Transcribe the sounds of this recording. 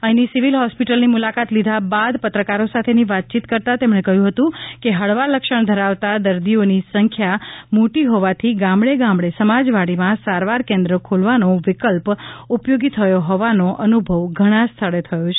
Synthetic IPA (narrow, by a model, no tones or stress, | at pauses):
əĩnisiʋilɦɔspiʈəlnimulakat̪lid̪ʱabad̪pət̪ɾəkaɾosat̪ʰeniʋat̪̚t͡ʃit̪kəɾt̪at̪emɳ̃ekəɦjũɦət̪ũkeɦəɭʋaləkʃəɳd̪ʱəɾaʋt̪ad̪əɾd̪ionisəŋkʰjamuʈiɦoʋat̪ʰiɡãmɭeɡãmɭesəmad͡ʒʋaɽimãsaɾʋaɾkẽnd̪ɾəkʰolʋanoʋɪkəlpupjoɡit̪ʰəjoɦoʋanoʔənubʱəʋɡʱəɽ̃ãst̪ʰəɭet̪ʰəjot͡ʃʰe̥